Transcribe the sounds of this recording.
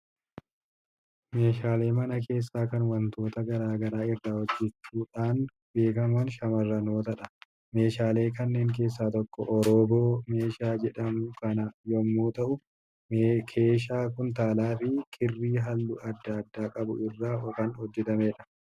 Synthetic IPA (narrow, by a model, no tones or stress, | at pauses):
me̞ːʃaːle̞ːmɐnɐke̞ːs̬ːaːkɐnwɐnt̪ʰo̞ːt̪ɐɡɐɾaːɡɐɾaːɪrːaːhɔd͡ʒːɛt͡ʃːuːᶑaːn | be̞ːkɐmɐnʃɐmɐrːɐno̞ːt̪ɐᶑɐ | me̞ːʃaːle̞ːkɐnːe̞ːŋk̬e̞ːs̬ːaːt̪ɔkːɔ̰ʔɔɾoːbo̞ːme̞ːʃaːd͡ʒɛᶑɐmʊkɐnɐjɔmːoːt̪ɐʔʊ | kʰeːʃ̬aːkʊnt̪aːlaːfɪkʼɪrːiːɦɐlːʊʔɐd̪ːɐːd̪ːaːkʼɐbʊ̰ɪrːaːɔkɐnhɔd͡ʒːɛt̪ɐmeːᶑɐ̥